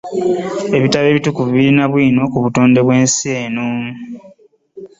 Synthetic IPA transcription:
e̞βitale̞ːβitukuviβiɾinaβwiːno̞kuβuto̞ːnde̞βwe̞ːnsieːno

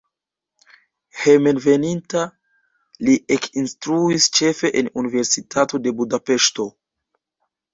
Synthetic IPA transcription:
hemenve̞ninta | liʔekinstɾuist͡ʃe̞fe̞ʔenunive̞ɾsitʰato̞de̞budape̞ʃto̞

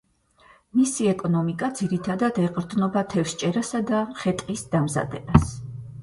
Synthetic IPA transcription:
misiɛkʼɔnɔmikʼad̪ziɾit̪ʰad̪ad̪ɛqʼɾd̪nɔbat̪ʰɛfst͡ʃʼɛɾasad̪aχɛt̪ʼqʼisd̪̥amza̰d̪ɛbas

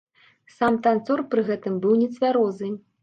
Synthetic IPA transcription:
samt̪ant̪sɔrpɾɨɣɛt̪ɨmbɨwnʲɛt̪sʲvʲaɾɔzɨ

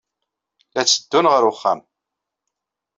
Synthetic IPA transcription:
læt͡sːə̥d̪ːunʁəɾʊχːæ̰m

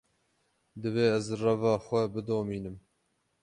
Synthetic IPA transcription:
d̪ɨveːɛzrɛvɑːxʷɛbɨd̪oːmiːnɨm

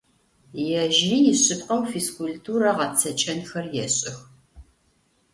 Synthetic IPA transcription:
jɛʒijɪɕʼɨpqɐwfiskʷultʰuːɾɐʁɐt͡sʰɐt͡ʃʼɐnxɐrjɛɕʼɪx

